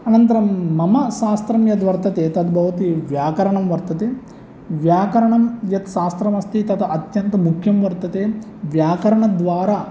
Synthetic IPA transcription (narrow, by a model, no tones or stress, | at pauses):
ɐnɐnt̪ɐɾɐmːɐmɐʃaːst̪ɾɐmjɐt̪ʋɐɾt̪ɐt̪eːt̪ɐt̪bʱɐʋɐt̪iʋjaːkɐɾɐɳɐmʋɐɾt̪ɐt̪eː | ʋjaːkɐɾɐɳɐmjɐt̪ʃaːst̪ɾɐmɐst̪it̪ɐt̪ʔɐt̪jɐnt̪ɐmukʰjɐmʋɐɾt̪ɐt̪eː | ʋjaːkɐɾɐɳɐd̪ʋaːɾaː